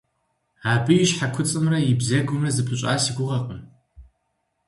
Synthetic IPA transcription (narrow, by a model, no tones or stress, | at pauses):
aːbɨjɪɕħakʷʰʊt͡sʼɨmrɐjɪbzɐɡʷʊmrɐzɨpʰɨɕʼa̰ːsiɡʷʊʁɐqʷʼʊn